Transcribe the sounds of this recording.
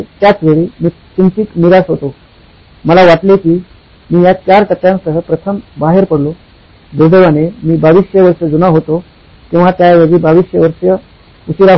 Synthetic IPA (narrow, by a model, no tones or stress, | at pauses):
t̪jat͡sʋeɭiːmiː | t̪imt͡ɕiːkmiɾasɦot̪o | məlaʋaʈlekiː | miːjak̪jaɾkət̪jãŋksəɦəpɾət̪ʰəmbaɦeɾpəɽlo | d̪uɾd̪əʋanemiːbaʋiɕjəʋəɾʂəd͡zunaɦot̪o | kĩw̃ʋ̤at̪jajʋeɡiːbaʋiɕjəʋəɾʂjə | usiɾaɦ